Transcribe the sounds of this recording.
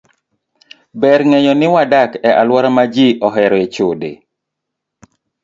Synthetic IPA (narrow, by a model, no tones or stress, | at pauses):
bɛɾŋɛɲɔnɪwadakɛʔalwɔɾamad͡ʒiʔɔɦɛɾɔet͡ʃodḛ